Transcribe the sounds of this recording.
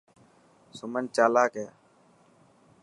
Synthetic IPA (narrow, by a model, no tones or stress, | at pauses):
sʊmənt͡ʃaːlaːkeː